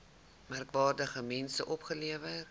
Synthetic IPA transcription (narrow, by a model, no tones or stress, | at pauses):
mærkvɑːrdəχəmɛnsəʔɔpχəliəvər